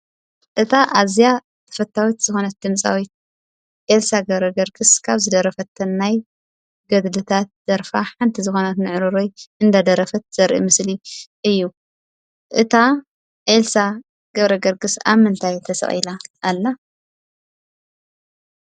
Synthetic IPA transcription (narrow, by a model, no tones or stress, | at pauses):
ʔɨt̪ʰaʔazija | t̪ʰɐ̥fɐt̪ʰːawit̪z̥ɨxo̞nɐt̪̚d̪ɨmt͡sʼa̰wit̪̚ | ʔelsaɡɐβɾɐɡɐɾɡɨskʰaβzɨd̪ɐɾɐfɐt̪ʰːɐnːaj | ɡɐd̪lɨt̪ʰat̪̚z̥ɐɾfaħant̪ʰizɨxo̞nɐt̪nɨʕɾɨɾojʔɨnd̪ad̪ɐɾɐfɐt̪̚z̥ɐɾʔḭmɨsliʔɨjːu | ʔɨt̪ʰa | ʔelsa | ɡ̥ɐβɾɐɡɐɾɡɨsa̰βmɨnt̪ʰajt̪ʰɐsɐ̰χʼilaʔːlːɐ